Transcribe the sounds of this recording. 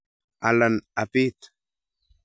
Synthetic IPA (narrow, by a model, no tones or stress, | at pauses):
alanapit̪